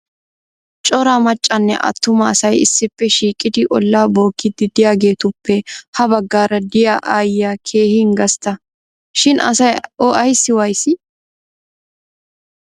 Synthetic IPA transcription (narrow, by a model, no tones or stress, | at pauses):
t͡ʃʼɔɾaːmɐt͡ʃʼːɐnːɛ̰ʔɐ̰t̪ːʊmɐːsɐjɪ̰sːɪpːɛʃiːkʼɪd̪ɪʔɔlːaːbo̞ːkːɪd̪ɪd̪ɪjaːɡe̞ːt̪ʊpːɛhɐbɐɡːaːɾɐd̪ɪjaʔaːjːakʰe̞ːhɪŋɡɐst̪ɐ | ʃɪnʔɐ̰sɐjɔʔɐjsːɪwɐjsɪ